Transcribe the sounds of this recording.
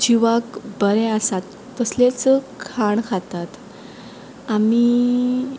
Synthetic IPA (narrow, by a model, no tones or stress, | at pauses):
d͡ʑiʋakbəɾɛasat̪ːəslet͡səkʰaɳkʰat̪at̪ | ami